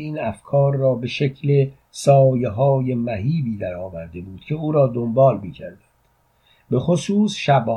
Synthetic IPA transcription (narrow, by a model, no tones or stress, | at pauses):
iːnæfkʰɒːɾːɒːbe̞ʃecʰle̞ | sɒːjeɦɒːjemæɦiːbiːd̪æɾɒːvæɾd̪e̞buːd̪̥cʲʰe̞uːɾɒːd̪ombɒːlmiːcʰæɾd̪æn | be̞χosuːsʃæb